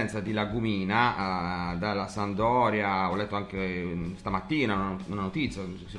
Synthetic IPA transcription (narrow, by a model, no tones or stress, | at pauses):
ɛnt̪sad̪ilaɡumiːna | d̪alːasand̪ɔːɾjaɔlːɛt̪ːoaŋkest̪amat̪ːiːnaununanot̪it̪sːjasi